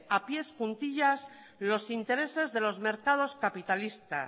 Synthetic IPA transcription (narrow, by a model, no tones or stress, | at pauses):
apje̞skunt̪iʎas | lo̞sint̪e̞ɾe̞se̞zðe̞lo̞zme̞ɾkað̞o̞skapit̪alist̪a̰